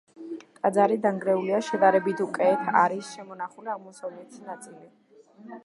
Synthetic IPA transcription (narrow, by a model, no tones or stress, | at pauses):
t̪ʼad̪zaɾid̪aŋɡɾɛuliaʃɛd̪aɾɛbit̪ʰukʼɛːt̪ʰaɾisʃɛmɔnaχuliaʁmɔsɔlɛt̪ʰi̥snat̪sʼili